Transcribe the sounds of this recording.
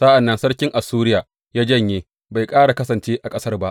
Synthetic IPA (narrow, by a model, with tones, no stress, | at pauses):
sɐ˦ʔa˨nːɐ˦nsɐ˦rkʲɪ˦ŋʔa˨suː˦ɽɪ˦jaː˨ | jaː˦d͡ʒɐ˦˨ɲjeː˦ | ba˨jkʼaː˦ɽa˨kɐ˦sɐ˨nt͡ʃeː˦ʔa˨kʼɐ˦sɐ˦rba˦ʔ